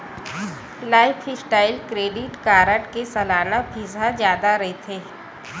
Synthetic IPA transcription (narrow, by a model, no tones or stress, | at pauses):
laːɪpʰɪsʈaːɪlkɾeːɖɪʈkaːɾəʈkesɐlaːnabʱizad͡ʒjaːd̪aɾɐɦet̪ʰeː